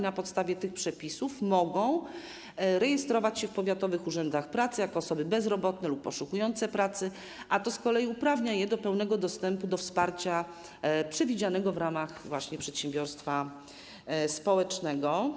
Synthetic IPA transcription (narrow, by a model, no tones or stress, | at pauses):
napɔt̪st̪avʲjɛt̪ɘxpʂɛpʲisufmɔɡɔ̃w̃ | ɾɛjɛst̪ɾɔvat͡ɕɕɛfpɔvʲjat̪ɔvɘxuʐɛnd̪axpɾat̪sɘjakɔːsɔbɘbɛzɾɔbɔt̪nɛlupːɔʂukujɔnt̪sɛpɾat̪sɘ | ʔat̪ɔskɔlɛjiupɾavɲajɛd̪ɔpɛwn̪ɛɡɔd̪ɔst̪ɛmpud̪ɔfspaɾt͡ɕa | pʂɛvʲid͡ʑanɛɡɔvɾamaxvwaɕɲɛpʂɛt̪ɕɛmbʲjɔɾst̪fa | spɔwɛt͡ʂnɛɡɔ